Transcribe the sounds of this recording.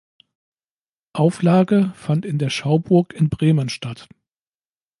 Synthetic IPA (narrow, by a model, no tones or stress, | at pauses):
ʔaʊflaːɡəfantɪndeːɐʃaʊbʊɐkɪnbʁeːmənʃtat